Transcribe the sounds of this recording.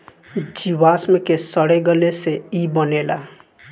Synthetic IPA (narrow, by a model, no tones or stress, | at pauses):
d͡ʒiβasmekesəɽeɡeleseibənela